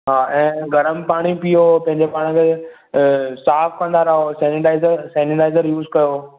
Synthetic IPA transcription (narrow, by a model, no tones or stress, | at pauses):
ɦaːʔɛ̃ːɡʱɐɾəmpaːɽ̃ipijopɐ̃ɦɪ̃ɲd͡ʑepaːɽ̃kʰe | saːfkɐ̃nd̪aːɾaɦosɛ̃ːnɪʈaːɪzəɾsɛːnɪʈaːɪzəɾjuːzkɐjo